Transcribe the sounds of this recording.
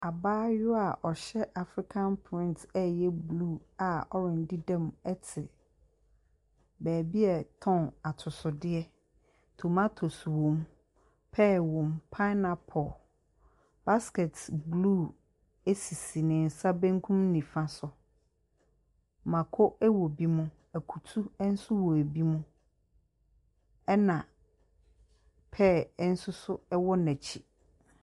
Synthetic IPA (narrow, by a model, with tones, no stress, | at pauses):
a˨baː˦jʊ˦a˨ʔɔ˨ɕɛ˦ʔa˨fɾi˦kʰã˦npʰɪ̃˦ntʰɛ˦jɛ˦bluː˦˨a˨ɔ˦ɾɪ̃˨ndi˦dɛ̃˦˨mɛ˦tʰɪ˨ | bæː˨bi˦ɛ˦˨tʰɔ̃˦˨na˨tʰʊ˨sʊ˨dɪ˦ɛ˦ | tʰo˨ma˦tʰo˨swõ˨m | pʰɛ˦˨wɔ̃˨mpʰa˦na˨pʰɔ˨ | b̥a˦skɛ˨tblu˦˨ | e˦si˨si˨nɪ̃˨n̩˨sa˦bæ̃˦ŋ˦kʰũ˦mnĩ˨fã˦sʊ˨ | mã˨kʰɔ˦ʔɛ˦wɔ˨bi˦mʊ̃˦ | æ˨kʰu˨tʰu˦ɛ˦n̩˦sʊ˦wɔ˨æ˨bi˦mũ˦ | ɛ˦nã˨ | pʰɛː˦˨˦n̩˦sʊ˦sʊ˦ɛ˦wɔ˦nɛ˨t͡ɕʰi˨